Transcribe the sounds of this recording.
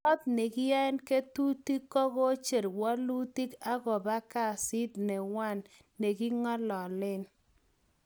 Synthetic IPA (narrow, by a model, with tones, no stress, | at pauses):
ɔ˦t̚ne˨ɡɪ˦ja˦ɛ˦nke˦tu˦ti˦kːɔ˦ɣo˦t͡ʃe˨ɾwɔ˦lu˦ti˦ka˦ɡɔ˨ba˦ka˦˨si˦d̪̚nɛ˨wa˦˨nː | e˨ɡi˦ŋɔ˦lɔ˨lɪ˦n